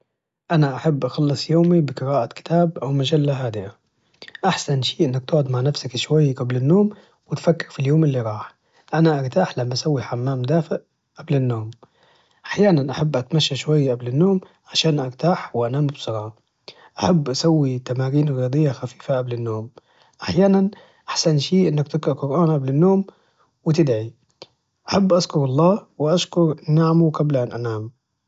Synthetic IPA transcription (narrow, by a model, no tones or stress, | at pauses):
ʔanaʔaħabːʔɑxɑlːɨsˤjoːmibɪqɨɾaːʔakɪ̥t̪ʰaːbʔawmad͡ʒalːaɦaːd̪ɪʔa | ʔaħsanʃiːʔɪnːak̚t̪ʊːʕʊd̪maʕnafsakʃwajːɡablɪnːoːm | wɪt̪fakːɪɾfiljoːmɪlːiɾˤɑːħ | ʔanaʔaɾˤt̪aːħlamːaʔasawːiħamːaːmd̪aːfɪʔ | ʔablɪnːoːm | ʔaħjaːnanʔaħabːʔat̪maʃːaʃwajːʔablɪnːoːm | ʕaʃaːnʔaɾt̪aːħwɪʔanaːmbsˤɑɾˤɑːʕa | ʔaħabːʔasawːit̪amaːɾiːnɣijɑːd̪ˤɨjːaxafiːfaʔablɪnːoːm | ʔaħjaːnan | ʔaħsanʃiːʔɪnːakt̪ɪkɑʔqʊɾʔaːnʔablɪnːoːm | wɪt̪ɪd̪ʕi | ʔaħabːʔaʃkʊɾɑlˤːɑːwɪʔaʃkʊɾnaʕmuqablʔanʔanaːm